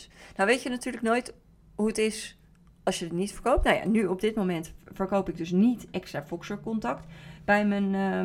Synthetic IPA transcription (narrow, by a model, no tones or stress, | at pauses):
nawʋejtənatyːɹləknojt | ɦuətɪs | ɑlˠsjədətnitfəɹkowp̚tnowja̰nyɔb̚dɪtmomɛntfəɹkowpɪɡ̚dɵsnitɛkstraːfɔksəɹkɔntɑktb̥ɛjmən